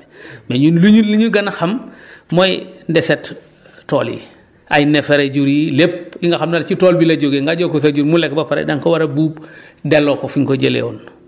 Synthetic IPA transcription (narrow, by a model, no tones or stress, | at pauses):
meɲunluɲuliɲuɡanaxammojndeset | tːoːlḭ | ʔajnefeɾeɟuɾilep̚liŋɡaxamnalt͡ʃitoːlbilaɟoɡeŋɡaɟokosaɟuɾmulek̚bapaɾḛdaŋkowaɾabuːbdelokofiŋkoɟelḛwon